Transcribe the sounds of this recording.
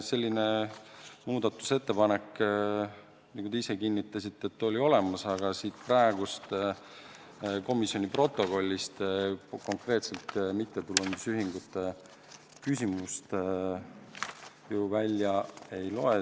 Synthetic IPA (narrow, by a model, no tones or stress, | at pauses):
se̞lʲːine | muːd̪ɑt̪ːˑu̥se̞t̪ːe̞pɑne̞kː | niːkut̪eise̞kinʲːit̪ˑːɑsit̪ːˑe̞t̪ːo̞lʲio̞le̞mɑsɑɡ̥ɑsiːt̪̚prɑeɡ̥ust̪ | ko̞misjo̞nʲipro̞t̪ːˑo̞ko̞lʲːist̪ko̞ŋkre̞ːt̪se̞lt̪mit̪ːe̞t̪ulːend̪usyɦiŋɡ̥ut̪ːˑe | kysʲimust̪ | juvælʲjɑe̞jlo̞e